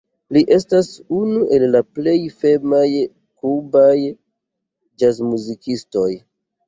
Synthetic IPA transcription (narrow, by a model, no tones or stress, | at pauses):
liʔe̞stasunuʔe̞lːaple̞jfe̞maj | kubaj | d͡ʒazmuzikisto̞j